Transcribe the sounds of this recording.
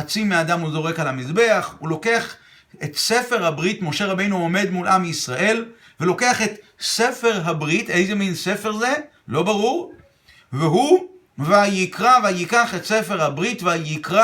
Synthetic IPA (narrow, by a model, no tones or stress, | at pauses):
at͡simead̪amuzo̞ʁe̞kalhamizbe̞aχulo̞ke̞aχ | et̪se̞fe̞ʁhabʁitmo̞ʃe̞ʁabe̞jnuome̞d̪mulʔamisʁaʔe̞l | velo̞ke̞aχe̞t̪se̞fe̞ʁɦabʁite̞jzeminse̞fe̞ʁze̞ | lo̞baʁuʁ | veɦu | veajikʁaveajikaχetse̞fe̞ʁhabʁitveajikʁa